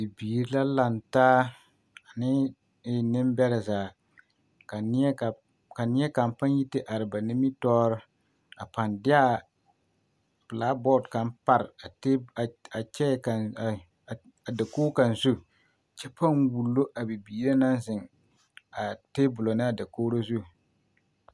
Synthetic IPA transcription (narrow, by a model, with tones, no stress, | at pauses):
bi˨biː˨ɾi˦la˦la˨ntaː˦ | a˨nɪ˦ | ɪ˨nɪ˦mbɛ˦ɾɛ˨zaː˨ | ka˨nɪ˦ɛ˦ka˨ | ka˨nɪ˦ɛ˦ka˨mpa˦ɲ˦ji˦tɪ˦ʔa˨ɾɪ˨ba˨nɪ˦mi˦tɔː˦ɾɔ˦ | a˨pa˨ndɪ˦a˦ | pla˦bɔː˦˨dka˦mpa˨ɾɪ˨a˨tːa˨t͡ʃɛ˦ka˨ | a˨da˨koː˦ka˨n˨zu˦ | t͡ʃɛ˦pa˦nwu˨lːo˦ʔa˨bi˨biː˨ɾe˦na˦n˦zɪ˨ŋ | a˨teː˦bʊ˨lo˨nɪ˦a˨da˨koː˦ɾo˦zu˦